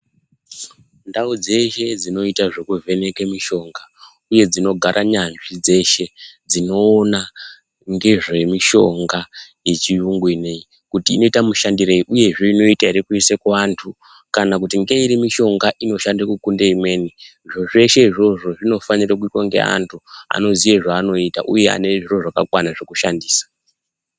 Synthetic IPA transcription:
ndaud͡ze̞ʃe̞d͡zino̞itaʐekuve̞ne̞kemiʃo̞ŋɡa | uje̞d͡zino̞ɡʱaɾʔaɲanʐid͡ze̞ʃe̞d͡zino̞ːna | ŋɡe̞ʐe̞miʃo̞̰ŋɡajet͡ʃiuŋɡwinei | kutiːno̞itamuʃandireiʔuje̞ʐeino̞itaiɾikuisekeantʰu | kanakutiŋɡe̞iɾimiʃo̞ŋɡaʔino̞ʃandakukundeimwe̞ːniʐoʐe̞ʃe̞iʐo̞ʐo̞ʐino̞fanirak̬uitwaŋɡḛa̰ntʰua̰no̞zijeʐaːno̞ita̰ʔuje̞a̰neʐiro̞ʐakakwanaʐe̞kuʃandiːsḁ

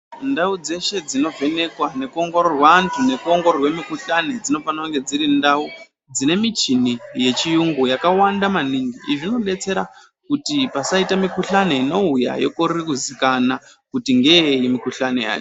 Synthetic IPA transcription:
ndaud͡ze̞ʃe̞d͡zino̞ve̞ne̞kwane̞kuo̞ŋɡo̞ɾorwaːntʰune̞kuo̞ŋɡo̞rorwe̞mikuɬane̞d͡zino̞fanaŋɡe̞d͡ziɾindau | d͡zine̞mit͡ʃinije̞t͡ʃijuŋɡujakawandamaniŋɡiʔiʐino̞ɗe̞t͡se̞ɾa | kutipasaitamikuɬane̞ino̞uja̰jo̞̰korikuzikana | kutiŋɡe̞eimikuɬane̞ja̰ːt͡ʃo

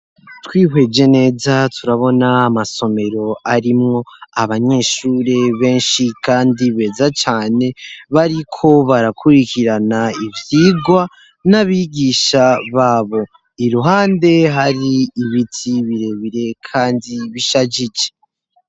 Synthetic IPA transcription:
twiːɦwe̞d͡ʒe̞ne̞ːzatʰuɾaβo̞naːmaso̞me̞ɾo̞aɾimŋo̞aβaɲe̞ːʃuːɾe̞βe̞ːnʃikaːndiβe̞ːzat͡ʃaːne̞βaɾikʰo̞βaɾakʰuɾikiɾanaivjiːɡwa | naβiɡiːʃaβaːβo̞ | iɾuɦaːnde̞ɦaɾiːβitʰiβiɾe̞βiɾe̞kʰaːndiβiʃad͡ʒit͡ʃe̥

